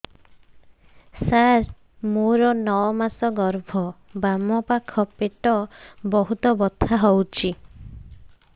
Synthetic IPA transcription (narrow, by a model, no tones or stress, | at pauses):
saɾ | moɾɔnɔɔmasɔɡɔɾbʱɔbamɔpakʰɔpeʈɔbɔɦut̪ɔbɔt̪ʰaɦɔwt͡ʃʰi